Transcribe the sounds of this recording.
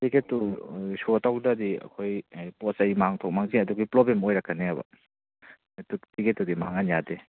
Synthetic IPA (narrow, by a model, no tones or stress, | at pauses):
tiketːusotʰawdɐdiɐ̰kʰojpɔsɐjmaŋtʰɔk̚maŋziɐduɡiplɔbemojɾɐkʰːɐneɐbɐ̰ | tutiɡetːudimaŋanjade